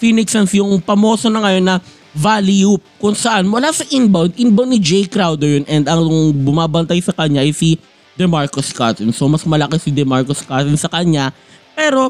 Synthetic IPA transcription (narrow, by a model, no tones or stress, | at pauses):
fiːnɪksɐnsjʊŋpɐmo̞ːsonɐŋɐjo̞nːɐ | valjup̚kʊŋsɐʔanmʊlaːsɐʔɪnbɐwd̪ʔɪnbɐwd̪nɪd͡ʒɛjkɾawd̪ɛɹjonʔɛnd̪ɐŋbʊmaːbɐnt̪ajsɐkɐɲaʔɐjsi | d̪ɛmaɹkoska̰ːt̪ɪnsomɐsmɐlɐkesɪd̪ɛmaɹkoskaːt̪ɪnsɐkɐɲa | pɛːɾo̞